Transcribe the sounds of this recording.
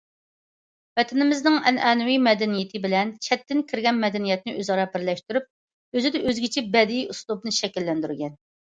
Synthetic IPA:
vɛt̪ʰɪnɪmɪznɪŋɛnʔɛːnɪwimɛd̪ɛnijɪt̪ʰɪbɪlɛnt͡ʃʰɛt̪ːɪnkʲʰiɾɡʲɛnmɛd̪ɛnijɛt̪̚nɪʔøzɑɾɑbɪɾlɛʃt̪yɾyp̚ | øzɪd̪ɛʔøzɡʲɪt͡ʃʰɛbɛd̪ijuslˠub̚nɨʃɛkʲilːɛnd̪yɾɡʲɛn

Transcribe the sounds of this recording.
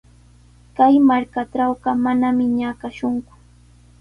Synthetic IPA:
kajmaɾkaʈ͡ʂawɢɑmanamɪɲakaʃʊŋkʊ̥

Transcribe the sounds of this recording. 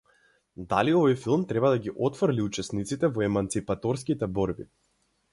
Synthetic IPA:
d̪a̰liɔvɔjfilˠmt̪ɾɛbad̪aɡiʔɔt̪fɾliut͡ʃɛsnit̪sit̪ɛvɔɛmant̪sipat̪ɔɾskit̪ɛbɔɾbḭ

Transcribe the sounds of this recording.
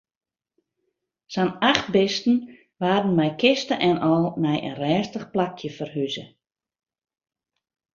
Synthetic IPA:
sanaχt̚bɪstn̩ | ʋaːdən̩mɛjkɪstəʔɛnɔlˠnɛjʔə̰nrɛːstəχplakʰjəfərɦyzə̰

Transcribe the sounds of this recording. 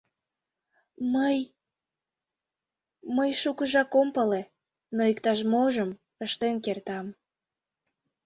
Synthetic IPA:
məj | məjʃukəʒɑkompəle | noikt̪ɑʃmoʒəm | əʃt̪enkert̪ɑm

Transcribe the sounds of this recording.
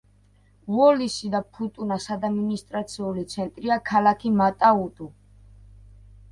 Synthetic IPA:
vɔlisid̪apʰut̪ʼunasad̪aminist̪ʼɾat̪sʰiulit̪sʰɛnt̪ʼɾiakʰalakʰimat̪ʼaut̪ʼu

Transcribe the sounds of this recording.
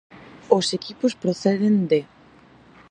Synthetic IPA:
osekipʊspɾoθɛðend̪e

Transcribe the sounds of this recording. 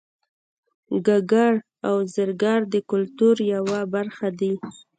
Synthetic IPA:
ɡaɡaɽ | awzəɾɡɑɾd̪əkʊlt̪uɾjawabaɾxad̪i

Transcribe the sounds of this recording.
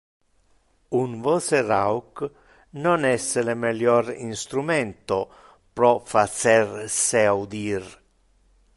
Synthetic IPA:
unvɔserawk | nonɛsːelemɛljɔɾinst̪ɾumɛnt̪o | pɾɔfasɛrseaud̪iɾ

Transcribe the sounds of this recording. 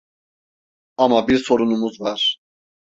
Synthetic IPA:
amabiɾso̞ɾunumuzvaɾ̥

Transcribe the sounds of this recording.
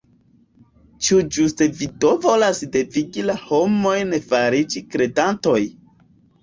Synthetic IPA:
t͡ʃud͡ʒuste̞vidovo̞lasde̞viɡilaho̞mo̞jnefaɾid͡ʒikɾe̞danto̞j

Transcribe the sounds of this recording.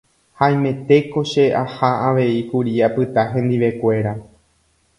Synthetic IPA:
haj̃mẽ̞t̪e̞ko̞ʃe̞ʔahaaʋe̞ikuɾiapɨt̪aɦẽ̞nd̪iʋe̞kʷe̞ɾa

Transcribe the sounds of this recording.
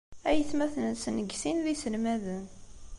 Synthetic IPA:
æjəθmæθnsnəɡsinðisəlmæðən

